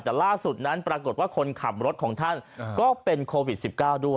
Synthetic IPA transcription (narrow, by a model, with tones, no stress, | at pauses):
t̪ɛː˨˩laː˥˩su˨˩t̪̚na˦˥npɾaː˧ko˨˩t̪̚waː˥˩kʰo˧nkʰa˨˩p̚ɾo˦˥t̪̚kʰɔː˩˦ŋt̪ʰa˥˩nkɔː˥˩pe˧nkʰoː˧wi˨˩t̪̚si˨˩p̚kaː˥˩wdu˥˩ə